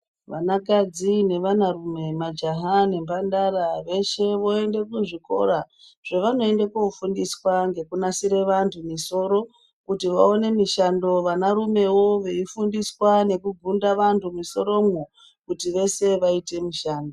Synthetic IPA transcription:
ʋa̰nakad͡zine̞ʋanarume̞mad͡ʒaɦane̞mbandaɾaʋe̞ʃe̞ʋo̞e̞nde̞kuʐiko̞̰ɾa | ʐ̥eʋano̞e̞ndekoufundiswaŋɡe̞kunasiɾe̞ʋantʰumiso̞ɾo̞ | kutiʋao̞ne̞miʃando̞ʋanaɾume̞wo̞ʋe̞ifundiswane̞kuɡʱundaʋantʰumiso̞ɾo̞mwu | kutiʋe̞se̞ʋaite̞miʃaːndo

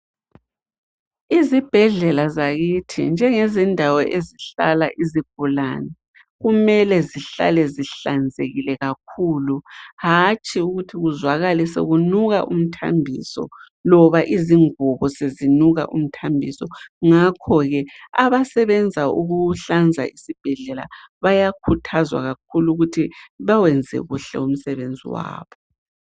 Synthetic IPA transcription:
izib̥ʱɛɮɛlazaɣitʰḭnd͡ʒʱɛŋezindʱawɔʔeziɬa̰laʔiziɡ̥̚ʱula̰ːnɛ | ɣumɛlɛziɬa̰lɛziɬand͡zʱḛɣilɛɣak̚ʰuluhat͡ʃʼiuɣutʰiɣuzwaɣalɛsḛɣunuɣaʔum̩tʰa̰mbʱḭsɔ̰ | lɔβaʔiziŋuβɔsezinuɣa̰ʔum̩tʰambʱisɔŋakʰɔɣɛaβasɛβɛnd͡zʱauɣuɬand͡zʱa̰isib̥ʱɛɮɛla̰βajakʰutʰazwa̰ɣakʰuluɣutʰiβawɛnd͡zʱɛ̰ɣuɬɛ̰um̩sɛβend͡zʱḭwa̰ːβɔ

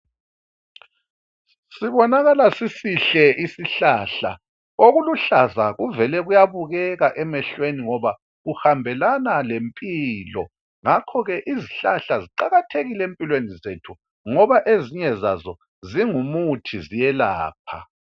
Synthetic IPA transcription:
siβɔnaɣalasisiɬɛisiɬaɬa̰ | oɣuluɬazaɣuvɛlɛɣujaβuɣɛɣaʔɛmɛɬweniŋɔβa | ɣuhambʱɛlanalempʼiːlɔ̰ | ŋakʰɔɣɛʔiziɬaɬaziǃaɣatʰeɣilɛempʼilwenizetʰu | ŋɔβaʔeziɲɛza̰zɔ | ziŋumutʰizijɛla̰ːp̚ʰa̰

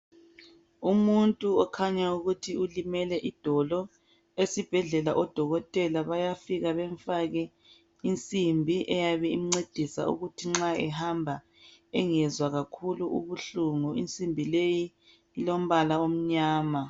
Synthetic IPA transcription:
umuntʼuɔkʰaɲauɣutʰiulimɛlɛʔid̥ʱɔlɔ | esib̥ʱɛɮɛlaʔɔd̥ʱɔɣɔtʼɛlaβajafiɣaβɛɱfaɣɛ | int͡sʼimbʱiʔɛjaβɛim̩ŋ͡ǀed̥ʱisa̰ṵɣutʰiŋ͡ǁaɛhambʱa | ɛŋɛzwaɣakʰuluʔṵβuɬuŋuint͡sʼimbʱilejiː | lom̩βalaom̩ɲaːma

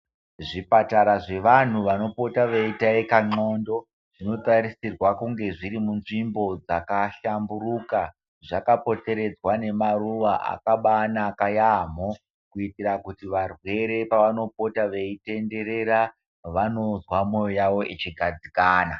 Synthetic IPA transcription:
ʐipataɾaʐe̞ʋan̤uʋano̞po̞taʋeitaikaŋ͡ǀo̞ndo̞ | ʐ̥ino̞tarisirwakuŋɡe̞ʐiɾimunʐimbo̞d͡zakaʃamburuka | ʐakapo̞te̞ɾe̞d͡zwane̞maruʋaʔa̰kaɓanakajam̤o | kuitirakutiʋarwe̞ɾe̞paʋano̞po̞taʋe̞ite̞nde̞ɾe̞ɾa | ʋano̞zwamo̞jojaʋo̞ʔet͡ʃiɡʱad͡zikaːna

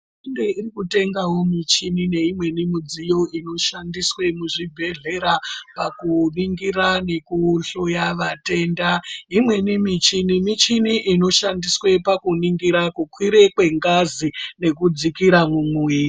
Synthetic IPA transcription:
indeirikute̞ŋɡawo̞mit͡ʃinine̞imwe̞nimid͡zijo̞ʔino̞ʃandiswe̞muʐibʱe̞ɮe̞ɾapakuniŋɡiɾane̞kuɬojaʋate̞ndaimwe̞nimit͡ʃinimit͡ʃiniʔino̞ʃandiswe̞pakuniŋɡiɾakukwiɾe̞kwe̞ŋɡazine̞kud͡zikiɾamumi

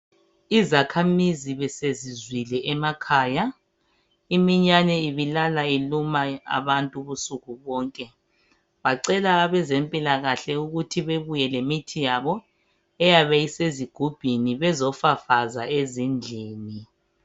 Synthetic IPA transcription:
izakʰamiziβɛsezizwilɛʔɛmakʰaːja | imiɲanɛiβilalailumaa̰βantʼuβusuɣuβɔːŋkʼɛ | βaǀɛlaːβɛzempʼilaɣaɬɛuɣutʰiβeβujɛlemitʰijaβɔ | ɛjaβɛiseziɡ̥ʱub̥ʱiniβɛzɔfafazaezind͡ɮʱiːni

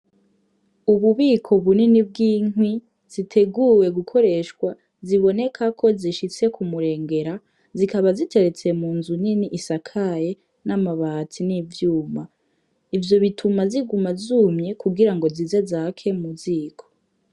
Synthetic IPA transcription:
uβuβiːkʰo̞βuninibɡiːŋwi | z̥itʰe̞ɡuwe̞ɡukʰo̞ɾe̞ːʃkwa | ziβo̞ne̞kʰakʰo̞ziʃit͡se̞kʰumuɾe̞ːŋɡe̞ɾa | zikaβazitʰe̞ɾe̞t͡se̞muːnzuniniʔisakʰaje | namaβatʰiniːvjuːma | ivjo̞βitʰumaziɡumazuːmɲe̞kuɡiɾaŋɡo̞zize̞zaːkʰe̞muziːkʰo̥

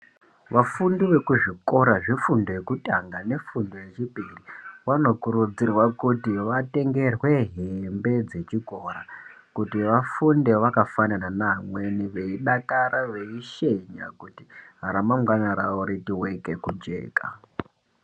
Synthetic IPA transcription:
ʋafundiʋe̞kuʐiko̞ɾaʐifundoje̞kutaŋɡane̞fundoje̞t͡ʃipiriʋano̞kurud͡zirwakutiʋate̞ŋɡe̞rwe̞ɦembe̞d͡ze̞t͡ʃiko̞ɾa | kutiʋafunde̞ʋakafanananamwe̞niʋe̞iɗakaɾʔaʋe̞iʃe̞ɲa̰kuti̥ɦaɾamaŋɡwanaɾaoɾitiwe̞ke̞kud͡ʒe̞̰ːka̰

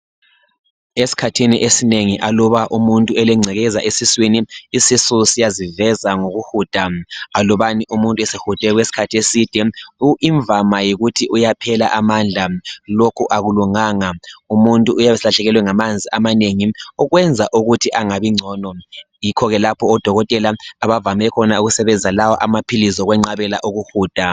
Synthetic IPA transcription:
esi̥kʰatʰiniʔesineŋiʔalɔβaʔumuntʼuɛlɛŋ͡ǀʱɛɣɛzaʔesiswiniisisusijazivɛzaŋoɣuhud̥ʱaalɔβaniʔumuntʼɛsehud̥ʱɛɣwesi̥kʰatʰiesid̥ʱɛuʔiɱbvʱamajiɣutʰiʔujapʰɛla̰ʔamand͡ɮʱalokʰuʔaɣuluŋaːŋaumuntʼuːjaβɛsilaɬɛɣɛlwɛŋamand͡zʱiʔamaneŋiɔɣwɛnd͡zʱaʔuɣutʰiʔaŋaβiŋ͡ǀʱɔːnɔ | jikʰɔɣɛlapʰɔːd̥ʱɔɣɔtʼɛlaaβavamɛkʰɔnauɣusɛβɛnd͡zʱalawɔʔamapʰilizɔɣwɛŋ͡ǀaβɛla̰ʔuɣuhuːd̥ʱa

